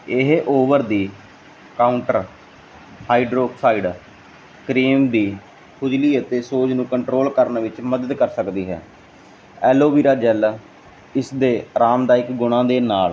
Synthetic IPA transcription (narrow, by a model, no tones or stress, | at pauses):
ɪɦʔoːʋəɾd̪iː | kaːʊɳʈəɾ | haːiɖɾoːksaːiɖ | kɾiːmd̪iː | kʰʊd͡ʒliːət̪eːsoːd͡ʒnũːkəɳʈɾoːlkəɾnʋɪt͡ʃməd̪əd̪kəɾsəkd̪iːɦɛ̰ː | ɛːloːʋiːɾaːd͡ʒɛl | ɪsd̪eːɾaːmd̪aːɪkɡʊɽ̃ãːd̪eːnaːl